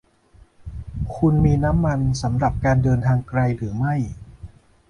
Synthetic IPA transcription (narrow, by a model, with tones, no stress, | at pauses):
kʰu˧nmiː˧na˦˥mːa˧nsa˩˦mɾa˨˩p̚kaː˧ndɤː˧nt̪ʰaː˧ŋkɾa˧jɾɯː˩˦ma˥˩j